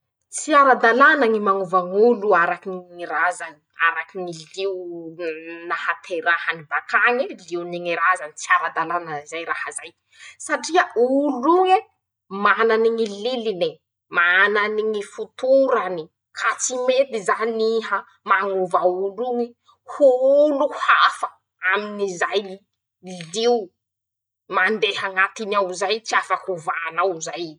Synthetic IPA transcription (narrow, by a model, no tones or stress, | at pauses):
t͡siaɾad̪alanaŋimaŋuvaŋuluaɾakiŋŋiɾazani̥aɾakiŋiliw | nahat̪ʰeɾahanibakaŋiliwniŋiɾazanit͡siaɾad̪alanəizajɾahazaj | saʈ͡ʂiauluŋe | mananiŋililini | mananiŋifut̪uɾani | kʰat͡simed̪izaniɦa | maŋuvauluŋi | huuluhafə̥ | aminizaj | liw | mand̪ehaŋat̪inawzajt͡siafakuvanawzaj